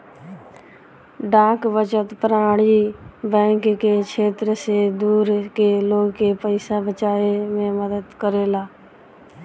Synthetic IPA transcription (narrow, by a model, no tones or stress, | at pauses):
ɖãːkʋət͡ʃət̪pəɾaːɽibɛ̃ːŋkkekʰeːt̪ɾəsed̪uːɾkeloːɡkepəɪsabət͡ʃaːemẽməd̪əd̪kəɾeːlaː